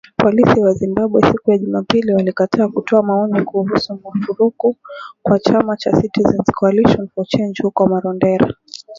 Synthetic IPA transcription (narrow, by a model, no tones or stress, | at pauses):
pʰɔlisiwazimbaɓwɛsikujaʄumapiliwalikatʰaːkutʰɔamaɔnikuɦusumufuɾukukwat͡ʃamat͡ʃasitizɛnsi̥kwaliʃɔnfɔt͡ʃɛnd͡ʒhukɔmaɾɔndɛɾa̰